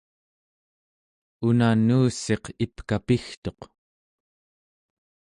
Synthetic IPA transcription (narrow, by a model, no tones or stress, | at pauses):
unanuːse̞qipkapixt̪o̞q